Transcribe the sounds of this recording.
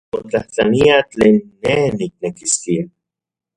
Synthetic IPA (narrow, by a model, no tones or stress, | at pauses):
mot͡ɬaht͡ɬaniat͡ɬeːnːehnik̚nekistia